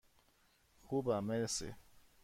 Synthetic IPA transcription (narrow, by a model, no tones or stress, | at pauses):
xubamesḛ